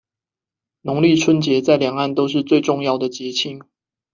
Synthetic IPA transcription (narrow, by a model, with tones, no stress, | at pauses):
nʊ˧˦ŋli˥˨ʈ͡ʂʰwə˦nt͡ɕjɛ˨˦t͡sa˥˩ɪljɑ˨˩ŋa˥˨nt̪o˥ʊʂ̬ɻ̩˥˧t͡swe˥˧ɪʈ͡ʂʊ˥˧ŋjɑ˥˩ʊd̪ə˩t͡ɕjɛ˨˥t͡ɕʰi˥ŋ